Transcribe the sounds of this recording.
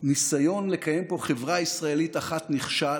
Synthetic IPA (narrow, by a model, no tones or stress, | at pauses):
nisajo̞nlekajempo̞χevʁaisʁae̞litaχat̪niχʃa